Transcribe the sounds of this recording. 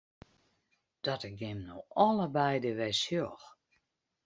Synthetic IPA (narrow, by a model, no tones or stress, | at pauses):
d̥ɔtəɡɪmnoɔləbɛjdəʋɛsjox